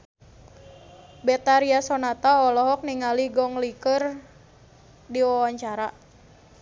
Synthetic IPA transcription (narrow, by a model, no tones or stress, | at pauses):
bɛt̪aɾiasɔnat̪aɔlɔɦɔk̚niŋaliɡɔŋlikər | diwawaɲt͡ʃaɾa